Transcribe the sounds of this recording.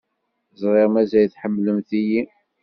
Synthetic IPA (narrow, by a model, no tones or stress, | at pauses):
zˤɾˤeʁmæzæjθħəmːləmθiji